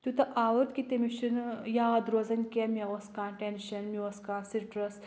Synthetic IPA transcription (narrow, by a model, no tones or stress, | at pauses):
t̪ʲut̪ɐʔaːʋɐɾt̪kit̪emiʃinjaːd̪ɾoːzɐnʲkʲemʲeʋɐskãːʈenʃɐnmiɐskãːsiɾʈɾɐs